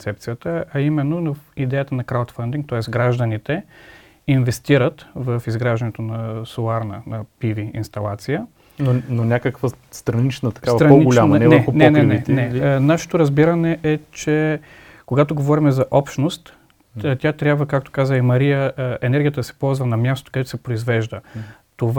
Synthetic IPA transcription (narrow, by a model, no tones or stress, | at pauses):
sɛp̚t̪sijət̪əɐimɛnːonɐid̪ɛjət̪ənɐkɾawt̪fɐnd̪iŋk̚t̪ɔɛsɡɾaʒd̪ənit̪ɛ | invɛst̪iɾət̪vəfizɡɾaʒɛnɛt̪onɐsoaɾnə̰nɐpiviḭnst̪ɐlˠat̪sijə | nononʲakəkvəst̪ɾɐnit͡ʃnət̪ɐ̥kavɐt̪ɾɐponɡolʲamɐnɛvəɾɛxonɛnɛnɛinɛnaʃɛ̥t̪oɾɐzbiɾɐnɛʔɛt͡ʃɛ | koɡat̪oɡovɔɾimɛzɐʔɔpʃnost̪ː | t̪ʲat̪ɾʲjabvəkak̚t̪o̥kazəimɐɾijəɛnɛɾɡʲijət̪d̪ɐsɛ̥pɔlˠzvɐnɐmjast̪o̥kɐd̪ɛt̪ʊ̥sɛpɾoizvɛʒd̪ə | t̪ov